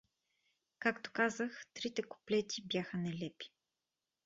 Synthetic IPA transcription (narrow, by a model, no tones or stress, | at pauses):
kakt̪o̥kazəxt̪ɾit̪ɛko̥plɛt̪ibjaxənɛlɛpi̥